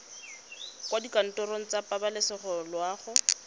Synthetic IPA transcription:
kʼwadikan̩tʼɔɾoŋ̩t͡sapabalɪsɪχɔlwaːχʊ

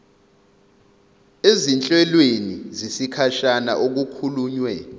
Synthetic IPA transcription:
ezint͡ɬʼɛlwenizisikʰaʃana̰ʔok̬ukʰuluːɲwɛ

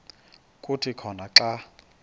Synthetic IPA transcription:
kʼutʰikʰɔnaǁa

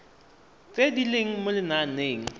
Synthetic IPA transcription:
t͡sʼedileŋ̩mʊlɪnaneːŋ̩

